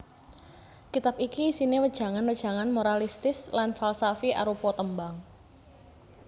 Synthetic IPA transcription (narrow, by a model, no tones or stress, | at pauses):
kit̪ap̚ikiːsinewəd̥ʒ̥a̤ŋanwəd̥ʒ̥ä̤ŋanmoɾalist̪ɪslanfalsafiʔa̰ɾupɔt̪əmbaŋ